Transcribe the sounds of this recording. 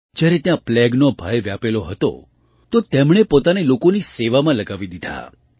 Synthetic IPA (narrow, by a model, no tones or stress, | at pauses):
d͡ʒjaɾet̪jãplɛɡnobʱajʋjapeloɦət̪o̰ | t̪ot̪emɳ̃epot̪anelokoniseʋamãləɡaʋid̪id̪ʱa̰